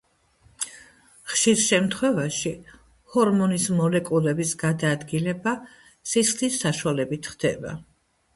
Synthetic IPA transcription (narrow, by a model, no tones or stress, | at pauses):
χʃiɾʃɛmt̪ʰχwɛvaʃi | hɔɾmɔnismɔlɛkʼulɛbisɡ̥ad̪aːd̪ɡilɛba | sisχlisːaʃwalɛbit̪ʰχd̪ɛ̰ba̰